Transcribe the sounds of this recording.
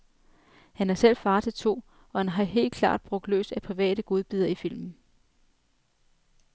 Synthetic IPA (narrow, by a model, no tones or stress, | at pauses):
hænæɐsel̰fɑ̈ːt͡sʰe̝lt͡sʰo̝̰ː | ɒ̽hænɦɑ̈ɦe̝̰ːld̥̚kʰlɑ̰̈ːd̥̚b̥ʁɔ̽ɡ̥̚d̥lø̰ːsæpʰʁiʋɛ̰ːɾ̥əɡ̥o̝ð̞ˠb̥yðˠɐifil̰mn̩